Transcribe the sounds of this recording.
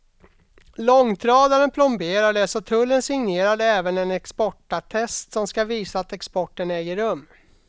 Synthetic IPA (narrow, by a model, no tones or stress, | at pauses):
lɔŋt̪ʰɾɑːd̪ad̪ənpʰlʊmbeːɾaɖ̪ɛsɔt̪ʰɵlːənsɪŋneːɾad̪ɛːvənɛnɛkspɔʈːaʈʰɛst̪sɔmskaviːsaːt̪ɛkspɔʈːənɛːɡəɾɵmː